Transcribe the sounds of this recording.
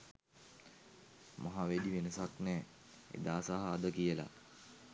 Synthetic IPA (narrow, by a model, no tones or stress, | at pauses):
maɦaʋed̪iʋenəsaknɛː | ḛd̪aːsaɦəːd̪əkijəla̰